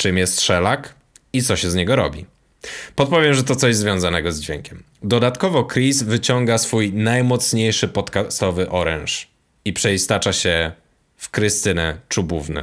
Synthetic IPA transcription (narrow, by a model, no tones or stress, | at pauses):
t͡ʂɘmjɛst̪ʂɛlak | it̪sɔɕɛzɲɛɡɔɾɔ̰bʲḭ | pɔt̪̚pɔvʲjɛmʐɛt̪ɔt̪sɔʑzvʲjɔ̃zanɛɡɔzd͡ʑvʲeŋkʲɛm | d̪ɔd̪at̪kɔvɔkɾisvɘt͡ɕɔŋɡasfujnajmɔt̪sɲejʂɘpɔt̪kast̪ɔvɘʔɔɾɛ̰̃nʂ | ipʂɛist̪at͡ʂaɕɛ | fkɾɘst̪ɘnɛt͡ʂubuvnɛ̰